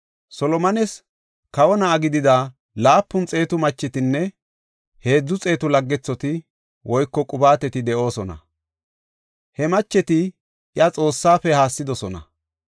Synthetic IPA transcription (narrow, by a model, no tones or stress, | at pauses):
sɔlɔmɐnɛs | kɐwɔnɐːɡɪd̪ɪd̪a | laːpːʊnt͡sʼe̞ːt̪ʊmɐt͡ʃːɛt̪ɪnːɛ | he̞ːd͡zːʊt͡sʼe̞ːt̪ʊlɐɡːɛt͡sːɔt̪ɪ | wʔɔjkːɔkʼʊbaːt̪ɛt̪ɪd̪ɛʔo̞ːsɔnɐ̰ | hɛmɐt͡ʃːɛt̪ɪ | jɐt͡sʼo̞ːsːaːfɛhaːsːɪd̪ɔsɔnɐ̰